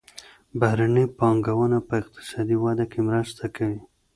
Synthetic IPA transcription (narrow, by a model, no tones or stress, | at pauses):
bahɾanipɑŋɡawənapəɪq̚t̪ɪ̥sɑd̪iwɑd̪akemɾəst̪ʰakʰawi